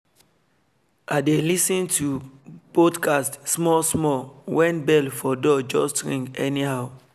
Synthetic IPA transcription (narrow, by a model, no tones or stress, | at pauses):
adelisĩntʰupɔdkʰastsmɔsmɔwɛ̃nbɛlfɔdɔd͡ʒɔstɹḭ̃ŋkɛnihaʊ